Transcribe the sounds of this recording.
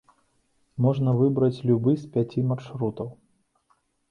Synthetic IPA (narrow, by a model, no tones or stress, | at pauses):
mɔʐnɐvɨbɾɐt͡sʲlʲubɨspʲat͡sʲimarʂɾut̪ɐw